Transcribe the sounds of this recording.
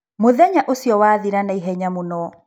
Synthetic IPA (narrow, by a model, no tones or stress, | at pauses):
moðɛɲaʔosijɔwaːðiɾanaiɦɛɲamonɔ